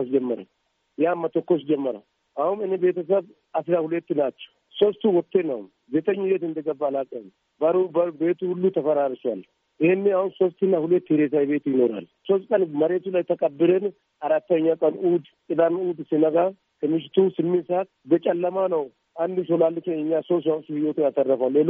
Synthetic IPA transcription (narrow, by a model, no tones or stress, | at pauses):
asd͡ʒɛmːɐɾɐ̰ | jaːmːɐt̪ɔkːos̬d͡ʒɛmːɐɾɐ̰ | ʔɐwʊmɪnːɛbe̞ːt̪ɐs̬ɐf | ɐsɪɾahʊlɛt̪ːɪnaːt͡ʃːɐ̥ | sost̪uwɔt̪ːeːnɐʊ̰m | beːt̪ɐɲːɪbet̪ɪnd̪ɐɡɐbːaːlaːkʼɪɐn | bɐɾubɐbe̞ːt̪uhʊlːut̪ɐfɐɾaːɾɪsʊwa̰ːl | ʔɪhɪnːɛawʊnsost̪ːɪnɐhʊlɛt̪ːɪhɪɾeːs̬ajbeːt̪jɪnoːɾa̰l | sɔskʼɐnmɐɾeːt̪ulɐjt̪ɐkʼɐbːɪlɛn | ɐɾɐt̪ːɐɲːakʼɐnuːd̪kʼɪd̪anuːd̪ɪsɪnɐɡa | sɐmɪʃ̬ɪt̪uːsɪmːɪsat̪bɛt͡ʃʼɐlːɐmaːnɐw | ʔɐnd̪ɪʃɔlaːlːɪt͡ʃɛnɪɲːaːsos̬wamsʊhɪjot̪ɪnɐt̪ɐrːɐfaːlːeːl